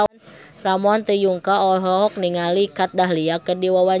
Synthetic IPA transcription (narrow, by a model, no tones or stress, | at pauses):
nfɾamɔant̪əjuŋkaɔɦɔɦɔk̚niŋalikat̪̚daɦliakədiwawa